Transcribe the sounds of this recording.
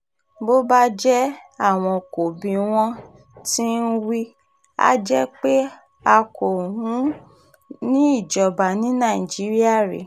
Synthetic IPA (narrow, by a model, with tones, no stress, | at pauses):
bo˦ba˦d͡ʒɛ˦a˦˨w̃ɔ̃˧ko˨bĩ˧w̃ɔ̃˧ | ti˦n̩˦wi˦ | a̰˦d͡ʒɛ˦k͡pe˦ | a˧ko˨ɦũ˨˦ | nĩ˦i˦˨d͡ʒɔ˨ba˨nĩ˨˦nã˦˨i˨d͡ʒi˨˦ɾi˦a˦˨ɾḛ˨